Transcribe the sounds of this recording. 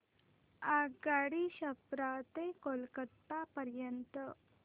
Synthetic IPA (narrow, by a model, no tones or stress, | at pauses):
aɡaɽiɕɐpɾat̪ekolkət̪ːapəɾjənt̪ə